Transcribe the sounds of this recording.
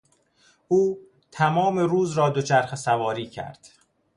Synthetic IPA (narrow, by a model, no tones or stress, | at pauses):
ʔuː | t̪ʰæmɒːme̞ɾuːzɾɒːd̪o̞t͡ʃʰæɾxesævɒːɾiːcʰæ̰ɾd̪̥